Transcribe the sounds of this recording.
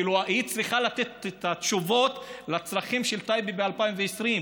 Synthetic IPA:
iluaʔit͡sʁiχalat̪et̪et̪at̪ʃuvo̞t̪lat͡sʁaχimʃelt̪ajbibealpaimveesʁim

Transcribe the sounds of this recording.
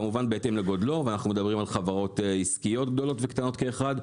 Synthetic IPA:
amuvanbeet̪emleɡo̞d̪lo̞vanaχnumed̪abʁimalχavaʁo̞t̪iskijo̞t̪ɡd̪o̞lo̞t̪vekt̪ano̞t̪keːχad̪

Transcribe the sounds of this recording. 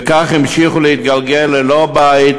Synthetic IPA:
kaχimʃiχulehit̪̚ɡalɡelːelobait̪

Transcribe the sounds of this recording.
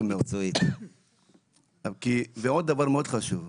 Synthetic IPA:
miʁt͡soit̪ | kiveod̪̚ːavaʁmeod̪χaʃuv

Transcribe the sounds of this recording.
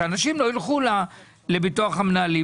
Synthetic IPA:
anaʃimloilχula | lebituaχamnaːli

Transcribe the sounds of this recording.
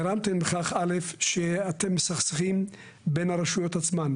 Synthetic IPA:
eɾamt̪enbeχaχalefʃeat̪emːesaχsaχim | benhaɾeʃujo̞that͡sman

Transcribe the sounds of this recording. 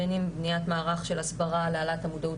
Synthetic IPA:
enimbniatmaːʁaχʃe̞lasbaʁalealatamud̪au

